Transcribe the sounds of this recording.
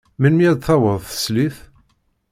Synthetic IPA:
mənmijæd̪θɑwəðˤθə̥sliθ

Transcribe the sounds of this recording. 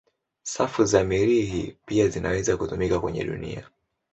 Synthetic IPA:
safuzamiɾiɦḭpiazinʔawɛzakutumikakwɛɲɛ̰ɗṵnḭa̰

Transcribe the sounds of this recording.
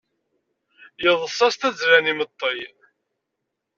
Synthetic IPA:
jəðˤəsˤːɑst̪æzɾænimət̪ˤːi

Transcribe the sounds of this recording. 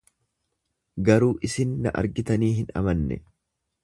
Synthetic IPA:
ɡɐɾuːʔɪsɪnːɐʔɐ̰ɾɡɪt̪ɐniːɦɪnɐ̰mɐnːɛ̰

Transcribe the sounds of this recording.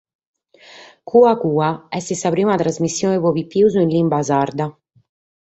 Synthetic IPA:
kʰuːakuːaɛst̪isapɾiːmat̪ɾazmisːjoːnepɔvipːiuzuinlimbazaɾd̪a

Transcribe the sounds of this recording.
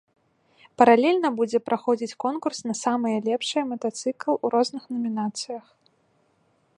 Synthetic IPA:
pɐɾalʲɛlʲnɐbud͡zʲɛpɾʔaxɔd͡zʲit͡sʲkɔnkursnɐsamɨjɐlʲɛpʂɨjɛmɐt̪at̪sɨklˠuɾɔznɨxnɐmʲinat̪sɨjɐx

